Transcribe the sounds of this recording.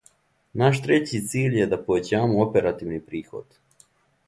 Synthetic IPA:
naʃt̪ɾe̞t͡ɕit̪siːʎjed̪apoʋet͡ɕaːmoopeɾat̪iːʋnipɾiːxo̰d̪̥

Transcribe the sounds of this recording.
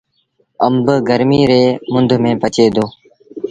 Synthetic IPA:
əmbɡəɾmiːɾeːmʊnd̪ʱmẽːpət͡ʃeːd̪ʱoː

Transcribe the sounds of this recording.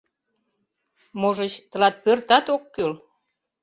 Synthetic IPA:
moʒət͡ɕt̪ə̆lɑt̪̚pørt̪ɑt̪okːøl

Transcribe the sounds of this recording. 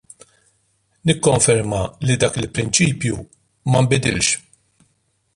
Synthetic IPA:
nɪkːɔɱfɛɾmɐlid̪ɐːkɪlpɾɪnt͡ʃiːpju | mɐmbɪd̪ɪ̰lʃ

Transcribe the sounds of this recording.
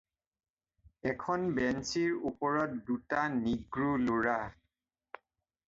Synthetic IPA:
ɛkʰɔnbɛnsiɹupɔɹɔt̚dutaniɡɹuloɹa

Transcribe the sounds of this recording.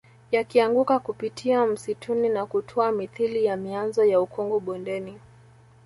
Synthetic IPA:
jakiaŋɡukakupitʰiam̩sitʰuninakutʰɔamiθilijamianzɔjaukɔŋɡuɓɔndɛni

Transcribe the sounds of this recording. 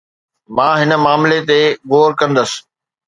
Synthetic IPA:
mãːɦɪnə̆maːmlet̪eɣoːɾkɐ̃nd̪əs̆

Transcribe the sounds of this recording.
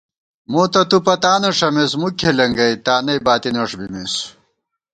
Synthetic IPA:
moːt̪ɐt̪upɐt̪aːnɐʂɐmesmukʰːelɐŋɡɐjt̪aːnɐjbaːt̪inɐʂbimes

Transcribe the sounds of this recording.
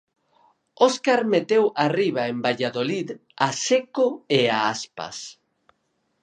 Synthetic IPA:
oskaɾmet̪ewariβ̞aembaʎaðoliðasekoeaaspa̰s

